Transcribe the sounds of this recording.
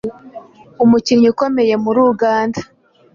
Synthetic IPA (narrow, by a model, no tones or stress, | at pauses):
umuciɲɲuko̞me̞je̞muɾuːuɡaːnda